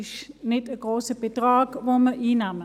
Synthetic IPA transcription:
ʃnɪtəɡroːsəbədrɑːkʋoːməʔiːnamə

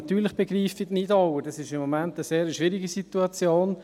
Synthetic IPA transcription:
ɑt̪yːɾləχb̥eɡriːfitnɪdɑwədɑsɪʃɪmːomæntəseːɾəʃʋɪɾiɡisituɑt͡sjoːn

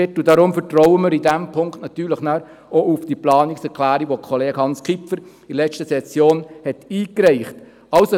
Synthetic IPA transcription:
ɪtːudɑɾʊmfətrɔwəməɾidæmpʰʊŋktnɑt̪yːləχnæːɾ | oufd̥iplɑːniksɛɾkʰlæːɾiʋokʰɔleːɡhɑnskʰipfəɾ | ilɛt͡ʃtəsɛsjoːnhɛtiːkɾɛɪχt | ɑʊso

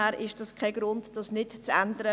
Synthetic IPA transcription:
æːɾʔɪʃd̥ɑskʰɛɡ̥ɾʊntd̥ɑsnɪtt͡sændəɾə

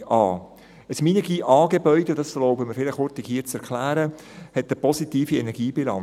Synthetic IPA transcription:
ʔɑː | əsminiɡiʔɑːɡebœʏd̥edɑslɔʊbəməɾfɪlɪχhʊɾt̪ɪkhiːət͡sɛɾkʰlæːɾə | hɛtːəpɔsitiːfiɛnɛɾɡ̥iːbilɑn

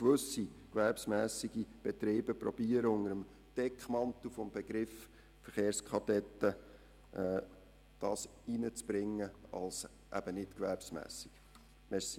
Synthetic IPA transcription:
kʋɵsːikʋæɾpsmæːsiɡib̥ɛt̪ɾeːbəpɾɔb̥iəɾəʊnəɾəm | d̥ɛkχmɑnt̪ufɔmbɛɡ̥ɾɪf | fəɾχeːɾskʰɑdɛt̪ːə | ʔɛː | d̪̥ɑːs | inət͡sb̥ɾɪŋːəɑ̰ls | ʔæ̰b̥ənɪtkʋæɾpsmæ̰ːsi̥ɡ̥ | mɛs

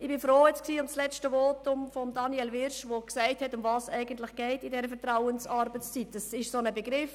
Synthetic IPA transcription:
ɪb̥ɪfɾoːjɛt͡sksiːʊmslɛstəvoːtʊmfɔmdɑniɛlvɪɾʃʋoksɛɪthɛtʊmvɑːsæɪɡəntlɪχɡ̥ɛɪtɪdɛːɾəfɛɐɾtɾaʊənsɑɾbət͡st͡sitɛsɪʃsonəbəɡɾɪf

